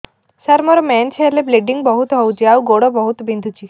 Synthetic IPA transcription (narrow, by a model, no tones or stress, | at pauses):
səɾmɔɾmɛnseɾlebleɖiŋɡbəɦut̪ɦɔwt͡ɕiaʋɡoɽəbəɦut̪bind̪ʱut͡ɕi